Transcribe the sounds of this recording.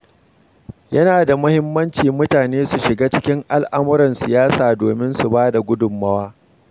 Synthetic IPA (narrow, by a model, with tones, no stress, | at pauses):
jɐ˦naː˨da˨mʊ˦hɪ˦mːɐ˦nt͡ʃiː˨mʊ˦taː˨neː˦su˨ʃɪ˨ɡaː˦t͡ʃɪ˦kʲɪ˦ŋʔa˨lʔa˦mʊ˦ɾɐ˨nsɪ˨jaː˦saː˨doː˨mɪ˦nsu˨baː˦da˨ɡʷʊ˦dʊ˨mːɐ˦waː˦